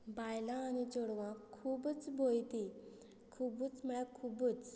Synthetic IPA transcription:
bajlãːñit͡ɕoɽʋãkʰːuːbt͡sbʱojt̪i | kʰubut͡sməɭakʰubut͡s

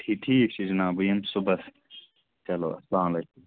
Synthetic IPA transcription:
ʈʰiʈʰiːk̚t͡ʃʰid͡ʒinaːbujɐnsubɐs | t͡ʃɐlo̰ːɐslaːmlɐːkum

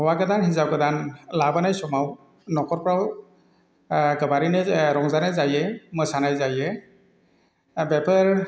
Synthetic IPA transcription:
ɔwaɡɯdanhizab̚ɡɯdanlabɯnajsɔmaw | nɔkɔɾpɾaw | ɡɯbaɾinɯɾɔŋzanajzajɛmɯsanajzajɛ | bɛpʰəɹ

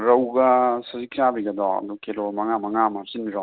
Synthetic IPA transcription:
ɾɐwɡɐsɐzikt͡ʃabiɡɐd̪ɔɐ̰d̪ukelomɐŋamɐŋamaɾsinbiɾɔ

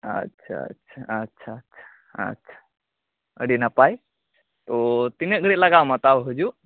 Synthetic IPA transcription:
ə̰tːɕʰa̰ə̰tːɕʰaətːɕʰaətːɕʰḁ | ə̰tːɕʰḁ | ə̰ɽinapaj | t̪ot̪ineɡəɽit̪laɡaʋmat̪abəɦud͡ʒu

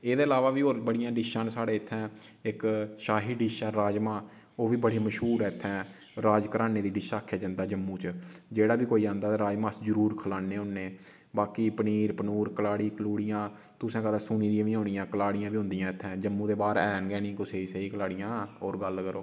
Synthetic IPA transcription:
eːd̪eːɪlaːʋaːʋiːɦoːɾbəɽɪjãːɖɪʃãːnsaːɽeːɪt̪ʰːɛ̃ː | ɪkʃaːɦiːɖɪʃaːɾaːd͡ʒmãː | oːʋiːbəɽeːməʃɦuːɾɛːɪt̪ʰːɛ̃ː | ɾaːd͡ʒkəɾaːneːd̪iːɖɪʃaːkʰːjaːd͡ʒə̃nd̪aːd͡ʒəmːũːt͡ʃd͡ʒeːɽaːbiːkoːiːãːnd̪aːt̪eːɾaːd͡ʒmãːszəɾuːɾkʰəlaːneːʊnːeː | baːkiːpəniːɾpənuːɾkəlaːɽiːkəluːɽijãː | t̪ʊsẽːkəd̪aːsuːniːd̪iãːʋiːɦoːnɪjãːkəlaːɽɪjãːʋiːɦʊ̃nd̪ijãːɪt̪ʰːɛ̃ːd͡ʒəmːũːd̪eːbaːɾɛːnɡɛːnĩːkʊseːisəiːkəlaːɽijãːɦoːɾɡəlkəɾoː

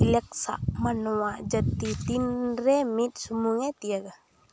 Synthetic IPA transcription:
ilɛk̚sa̰ʔmanowad͡ʒat̪it̪inɾɛmit̪̚sumuŋɛt̪ijaɡa

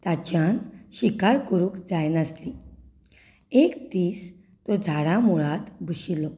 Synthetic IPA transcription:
t̪at͡ɕjanɕikaɾkəɾũːkd͡zajnəsli | ekt̪iːs | t̪ɔd͡zʱaɽamuɭat̪buɕilːɔ

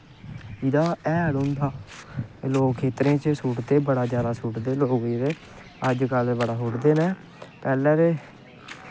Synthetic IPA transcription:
ɪd̪aːɛːɽõːnd̪aː | loːkʰːeːt̪ɾẽːt͡ʃəsuːʈd̪eːbəɽaːd͡ʒjaːd̪aːsuːʈd̪eːloːɡiːɾeː | əd͡ʒkəlbəɽaːɦʊʈd̪eːnɛ̃ː | pɛːlɛ̃ːɾeː

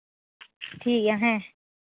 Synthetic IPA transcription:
ʈʰiːkjaɦɛ̃

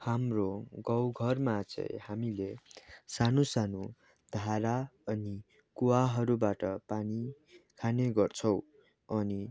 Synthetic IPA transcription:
hamroɡʌwɡʱʌrmad͡zʌ̰jhamilesanusanu | d̪ʱaɾaʌni | kuwaɦʌɾubaʈʌpani | kʰaneɡʌrt͡sʰʌw | ʌni

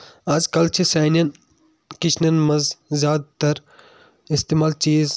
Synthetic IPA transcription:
ɐd͡ʒkɐlt͡ʃʰisaːnɐn | kit͡ʃʰnɐnmɐzzjaːd̪̚t̪ɐɾ | ist̪eːmaːlt͡ʃiːz

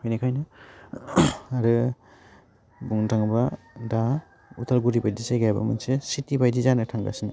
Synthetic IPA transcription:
kʰɔjnikʰajna | aɾɯ | buŋtʰaŋba | da | utʰalɡuɾibajdisajɡajba̰mɯ̰nsesitibajdizanɯtʰaŋɡa̰sina

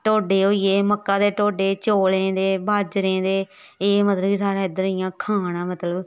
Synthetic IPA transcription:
ʈoːɖeːɦoːieːməkːãːd̪eːʈoːɖeːt͡ʃoːlẽːd̪eːbaːd͡ʒɾẽːd̪eː | eːmət̪ləbiːsaːɽãːɪd̪əɾɪjãːkʰaːnãːmət̪ləb

